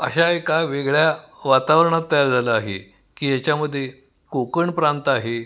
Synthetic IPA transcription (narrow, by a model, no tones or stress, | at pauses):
ə̰ɕaekaʋeɡɭjaʋat̪aʋɾəɳ̃at̪ːəjaɾd͡zʱaləaɦḛ | kiːjat͡ɕjaməd̪ʱːje | kokəɳpɾant̪aɦe